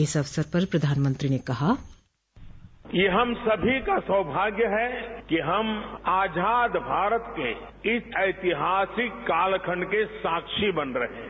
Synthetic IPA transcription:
ɪsɐʋsəɾpɐɾpɾɐd̪ʱaːnmə̃nt̪ɾinekɐɦa | jeɦɐmsɐbʱikasəbʱaːɡjəɦɛkiɦɐmaːd͡ʒaːd̪bʱaːɾət̪keɪsɐɪt̪ɪɦaːsɪkːaːlkʰəɳkesaːkʃibɐnɾɐɦḛ̃ː

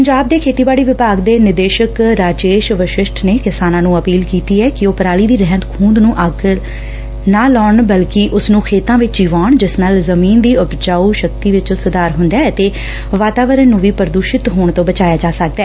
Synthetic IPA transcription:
pəɲd͡ʒaːb̚d̪eːkʰeːt̪iːbaːɽiːʋɪpaːɡd̪eːnɪd̪eːʃəkɾaːd͡ʒeːʃʋəʃɪʃʈʰneːkɪsaːnãːnũːəpiːlkiːt̪iːɛːkɪoːpəɾaːliːd̪iːɾɛɦnət̪kʰũːnd̪nũːʔəɡ | naːlɔːɳbəlkɪʔʊsnũːkʰeːt̪ãːʋɪt͡ʃd͡ʒiːʋaːɳd͡ʒɪsnalzəmiːnd̪iːʊpd͡ʒaːuːʃək̚t̪iːʋɪt͡ʃːsʊd̪aːɾɦʊnd̪aːət̪eː | ʋaːt̪aːʋəɾənːũːʋiːpəɾd̪uːʃɪt̪ɦoːɳt̪õːbət͡ʃaːjaːd͡ʒaːsək̚d̪ɛː

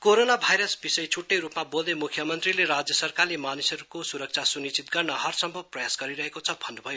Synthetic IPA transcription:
koɾonabʱajɾʌsbisʌjt͡sʰuʈːʌjɾupmabold̪emukʰjʌmʌnt̪rileɾad͡zjʌsʌrkarlemanisʌɾukosuɾʌk̚t͡sʰasunit͡sit̪̚ɡʌrnʌɦʌrsʌmbʱʌb̚prʌjasɡʌɾiɾʌɦekot͡sʰʌbʱʌnːubʱʌjo

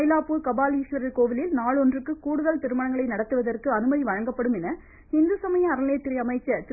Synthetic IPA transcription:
jlaːpːuːɾkɐbaːliːʂʋɐɾɐlkoːʋɪlɪlnaːɭɔndrɯkːɯkuːɽɯðɐlt̪ɪɾɯmɐɳɐŋɡɐɭɐɪnɐɽɐt̪ːɯʋɐðɐrkɯɐnɯmɐðiʋɐɻɐŋɡɐpːɐɽɯmɛnɐ | hɪnd̪ɯsɐmɐjɐ̃ɐɾɐleːt̪ːɪɾɐɐmɐɪt͡ʃːɐt̪

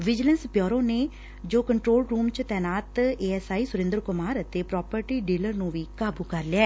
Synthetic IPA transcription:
ʋɪd͡ʒələnspjɔːɾõːneː | d͡ʒoːkəɳʈɾoːlɾuːmt͡ʃt̪ɛːnaːt̪eːɛːsaːiːsʊɾɪ̃nd̪əɾkʊmaːɾət̪eːpɾɔːpəɾʈiːɖiːləɾnũːʋiːkaːbuːkəɾlɪaː

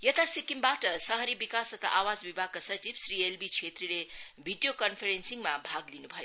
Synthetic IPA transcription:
jʌt̪asikimbaʈʌsʌɦʌɾibikasʌt̪a̰ʔawad͡zbibʱaɡ̚kasʌt͡sibsɾielbit͡ʃʰet̪rilebʱiɖijokʌnpʰeɾensiŋmabʱaɡlinubʱʌjo

